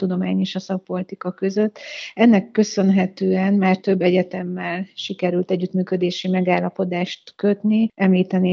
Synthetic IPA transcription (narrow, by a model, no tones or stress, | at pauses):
t̪ud̪o̞maːɲeːʃɒsɒk̚po̞lit̪ikɒkø̞zøt̪ːɛnːɛkːø̞sø̞nɦɛt̪øːɛnmaːrt̪ø̞bːɛɟɛt̪ɛmːɛlʃikɛɾylt̪ɛɟːyt̪myːkø̞d̪eːʃimɛɡaːlːɒpo̞d̪aːʃt̪kø̞t̪niʔɛmliːt̪ɛneː